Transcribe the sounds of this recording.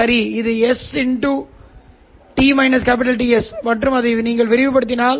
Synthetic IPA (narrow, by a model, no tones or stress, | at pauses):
ɐɾiɪðɯɛsɪɳʈu | ʈiːmɐɪnɐskaːp̬ɪʈ̬ɐlʈiːɛspɐʈːrɯmɐðɐniːŋɡɐɭʋɪɾɪʋɯpɐɽɯt̪ːɪnaːl